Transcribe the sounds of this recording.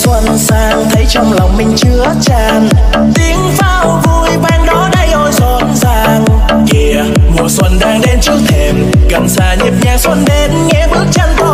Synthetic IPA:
swə˧˩nsaː˧ŋt̪ʰə˨˦jt͡ɕɔ˧wŋ͡mlɔ˨˩wŋ͡mmï˧˩ŋ̟t͡ɕɨ˨˧˦ət͡ɕaː˧˩n | t̪i˨˦əŋfaː˧wvu˧˩jɓɛ˧nɗɔ˨˦ɗa˧˩jʔɔ˧jzɔ˧˩nzaː˧ŋ | ki˧əmṵ˨˩swə˧nɗaː˧ŋɗe˧nt͡ɕɨ˧˦w̚t̪ʰe˧˩mɣa˨˩msaː˧˩ɲi˨˥p̚ɲɛ˧swə˧nɗe˨˦nŋɛ˧˥ɓɨ˦˥ək̚t͡ɕaː˧nt̪o˧

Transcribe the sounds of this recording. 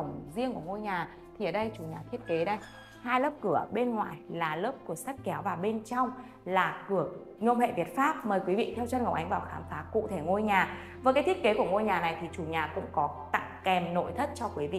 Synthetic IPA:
ə˧˩wŋ͡mzi˧əŋku˧˩əŋo˧jɲaː˨˩ | t̪ʰi˨˩ʔəː˨˩ɗə˧jt͡ɕu˨˩ɲaː˨˩t̪ʰi˦˥ət̚ke˨˦ɗə˧j | haː˧jləː˦˥p̚kɨ˧˩əɓe˧nŋwa̰ː˨jlaː˨˩ləː˦˥p̚kɨ˧˩əsa˦˥t̚kɛ˨˦wvaː˨˩wɓe˧nt͡ɕɔ˧wŋ͡m | laː˨˩kɨ˨˧˩ək̚ | ŋə˧wŋ͡mhḛ˧˨vi˨˩ət̚faː˦˥p̚məː˨˩jkwi˨˦vḭ˧˨t̪ʰɛ˧wt͡ɕə˧nŋə˨˩wʔa˨˦ŋ̟vaː˨˩wxaː˨˦mfaː˨˦kṵ˧˨t̪ʰe˧˩ŋo˧jɲaː˨˩ | vəː˨˦kaː˨˦t̪ʰi˦˥t̚ke˨˦ku˧˩əŋo˧jɲaː˨˩na˨˩jt̪ʰi˨˩t͡ɕu˨˩ɲaː˨˩kʊ̰˧˥ŋ͡mkɔ˨˦t̪a̰˧˨ŋkɛ˨˩mno̰˧˨jt̪ʰə˦˥t̚t͡ɕɔ˧kwi˨˦vḭ˧˨

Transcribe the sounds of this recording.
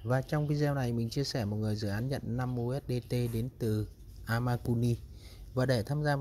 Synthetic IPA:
vaː˨˩t͡ɕɔ˧wŋ͡mvi˧zɛː˧wna˨˩jmï˨˩ŋ̟t͡ɕi˧əsɛ˧˩mo˨˩t̚ŋɨ˨˩əjzɨ̰˧˨ʔaː˨˦nɲə̰˧˨nna˧mʔo˧ʔɛ˦˥t̚ɗe˧t̪e˧ɗe˨˦nt̪ɨ˨˩ | ʔaː˧maː˧ku˧ni˧ | vaː˨˩ɗe˧˩t̪ʰaː˧mzaː˧

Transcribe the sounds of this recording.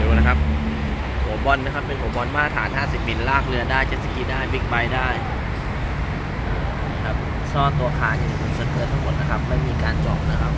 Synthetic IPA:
uː˨˧na˦˧kʰa˦˥p̚ | hu˨˩˦ɐbɔ˧nːa˦˥kʰa˦˥pːe˧nhu˨˩˦bɔ˧nmaː˥˩t̪ʰaː˨˩˦nɦaː˥˩si˨˩p̚mi˧˩nlaː˥˩k̚lɯ˧ɐdaː˥˩jt͡ɕa˧˦t̪si˧˩ki˦˥daː˥˩jbi˦˥k̚ba˧jdaː˥˩j | ʔɤː˧˩ | kʰa˦˥p̚ | sɔː˥˩t̪u˧ɐkʰaː˨˧˩ŋt͡ɕʰiː˧˩i˨˩kʰu˨˩˦sa˧˦kɯ˧t̪ʰːa˥ŋmo˨˩t̪̚na˦˧kʰa˦˥p̚ma˧˩jmiː˧kaː˧nt͡ɕɔː˨˩p̚na˦˥kʰa˦˥p̚

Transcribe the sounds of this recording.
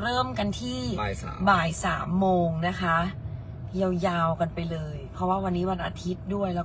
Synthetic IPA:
ɾɤː˥˩mka˧nt̪ʰiː˥˩˨baː˨˩jsaː˩˦mːoː˧ŋna˦˥kʰa˦˥ʔ | jwjaː˧wka˧npa˧jlɤː˧jpʰɔ˦˥waː˥˩wa˧nːiː˦˥wa˧nʔa̰˧t̪ʰi˦˥t̪̚du˥˩əjlɛː˦˥

